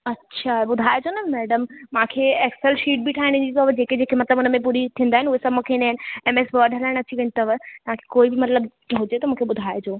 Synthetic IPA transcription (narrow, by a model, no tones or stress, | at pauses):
ɐtːɕʰaɓʊd̪ʱaːed͡ʑoːnɐmɛːɖəmmãːkʰeekselʃiːʈ̚biʈʰaːɦɪ̃nɪ̃ɲd͡ʑit̪oʋd͡ʑeːked͡ʑeːkʰemɐt̪ləbʊnəmẽp̬uːɾit̪ʰĩːnd̪aːɦɪnʊɦesɐbmũːkʰenaːɪnɪ̆emeːsbʋɐɾɖʱɦɐlaːɪɽ̃ɐt͡ɕiʋẽnt̪əʋt̪ɐʋ̤ãkʰe̥koːibɪmɐt̪ləb | ɦʊd͡ʑet̪ɐmũːkʰeɓʊd̪ʱaːed͡ʑoː